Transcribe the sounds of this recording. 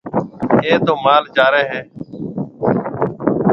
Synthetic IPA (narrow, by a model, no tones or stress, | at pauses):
eːt̪oːmaːld͡ʒaːɾeːɦɛ̃ː